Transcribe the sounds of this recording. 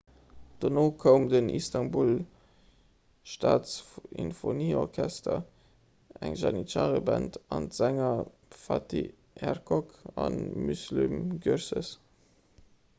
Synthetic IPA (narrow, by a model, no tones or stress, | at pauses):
d̥onoːkʰəʊmdənḭstɑnbul | ʃtaːsinfoniːɔʁkʰæstɐ | æŋʒɑniʃaːʁəbæntɑntz̥æŋɐ | fɑti | ɛʁkʰɔkɑnmyslymɡyɾsəs